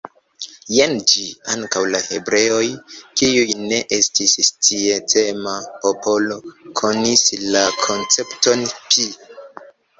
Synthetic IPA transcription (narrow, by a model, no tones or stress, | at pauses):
jend͡ʒiaŋkawlahe̞bɾe̞o̞jkiujne̞ʔestistie̞tʰe̞mapo̞po̞lokʰo̞nislakʰo̞nt͡se̞pto̞npʰi